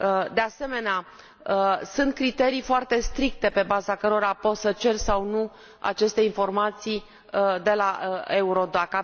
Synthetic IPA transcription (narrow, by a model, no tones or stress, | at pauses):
əd̪e̞ase̞me̞nea | əsɨnt̪̚kɾit̪e̞ɾijfoart̪e̞st̪ɾik̚t̪e̞pe̞bazakəɾo̞ɾapo̞sət͡ʃe̞rsawnu | a̰t͡ʃe̞st̪e̞info̞rmat̪sij | d̪e̞laeuɾo̞d̪aka